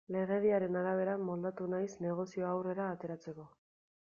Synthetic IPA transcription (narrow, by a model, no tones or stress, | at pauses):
le̞ɣe̞ðiaɾe̞naɾaβ̞e̞ɾamo̞ld̪at̪unajsne̞ɣ̞o̞sio̞awre̞ɾaːt̪e̞ɾat͡se̞ko̞